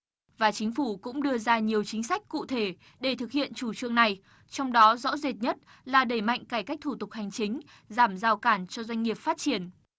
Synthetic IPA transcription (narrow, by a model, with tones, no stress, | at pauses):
vaː˨˩t͡ɕï˨˦ŋ̟fu˧˩kʊ̰˧˥ŋ͡mɗɨ˧əzaː˧ɲi˨˩əwt͡ɕï˨˦ŋ̟sa˦˥jk̟̚kṵ˧˨t̪ʰe˧˩ | ɗe˧˩t̪ʰɨ˨˩k̚hḭ˧˨ənt͡ɕu˧˩t͡ɕɨ˧əŋna˨˩j | t͡ɕɔ˧wŋ͡mɗɔ˨˦zɔ̰˧˥ze˨˩t̚ɲə˦˥t̚ | laː˨˩ɗe˧˩jma̰˧˨jŋ̟kaː˧˩jka˦˥k̟̚t̪ʰu˧˩t̪ʊ˨˩k̚ha˨˩jŋ̟t͡ɕï˨˦ŋ̟ | zaː˧˩mzaː˧˩wkaː˧˩nt͡ɕɔ˧zwa˧jŋ̟ŋi˨˩əp̚faː˦˥t̚t͡ɕi˧˩ən